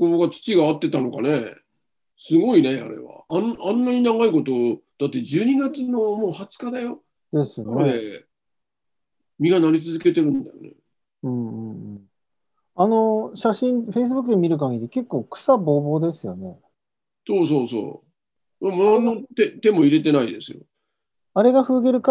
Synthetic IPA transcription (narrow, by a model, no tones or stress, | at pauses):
koːɡat͡sɨ̥t͡ɕiɡaːt̪ːe̞t̪ano̞kane | sɨɡo̞ine̞a̰ɾe̞̰βa̰anãnːaɲ̟inaɡaiko̞t̪o̞d̪̥at̪ːe̞d͡ʑɨːɲ̟iɡat͡sɨno̞mo̞ːhat͡sɨ̥kad̪ajo̞ | d̪̥e̞sɨnɾee | mʲiɡanaɾʲit͡sɨzɨke̞t̪e̞ɾɯ̟̃nd̪a̰jo̰nḛ | ɯ̟̃ɴɯ̃ɴ̃ɴ | ano̞ɕaɕĩnɸe̞is̬ɨbɯ̟kːɯd̪emʲiɾɯ̟k̬ãŋɡʲid̪eke̞kːo̞ːkɯ̥sabo̞ːbo̞ːd̪e̞sɨjo̞ne̞ | so̞ːs̬o̞ːso̞̰ː | mamonanːot̪et̪e̞mo̞iɾe̞t̪e̞naid̪e̞sɨjo̞̰ | aɾe̞ɡaɸɯ̟ːɡe̞ɾɯ̟ka